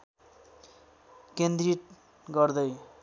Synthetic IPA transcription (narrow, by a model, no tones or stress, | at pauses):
kend̪riʈ̚ | ɡʌrd̪ʌj